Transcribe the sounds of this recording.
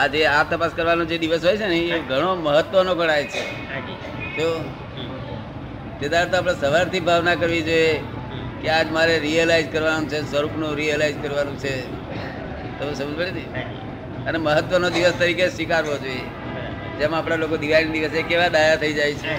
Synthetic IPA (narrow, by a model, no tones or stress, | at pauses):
ad͡ʒeat̪əpaskəɾʋanod͡ʒed̪iʋəsɦojt͡ʃʰenəɦĩeɡʱəɽ̃oməɦət̪ːʋənoɡəɽ̃ajt͡ʃʰe | d͡ʒi | t̪o | t̪ed̪aɾɾt̪oap̬ɽ̃esəʋaɾt̪ʰibʱaʋnakəɾʋid͡ʒoje | kead͡ʒmaɾeɾiəlaid͡ʒkəɾʋanũt͡ʃʰesʋəɾupnũɾiəlaid͡ʒkəɾʋanũt͡ʃʰe | t̪əmsəməd͡ʒbəɭed̪ii | əneməɦət̪ːʋənod̪iʋəst̪əɾikeʃʋikaɾʋod͡ʒoje | d͡ʒemãaːpɽ̃alokod̪iʋajnid̪iʋəsekeʋad̪ajat̪ʰəid͡ʒajt͡ʃʰe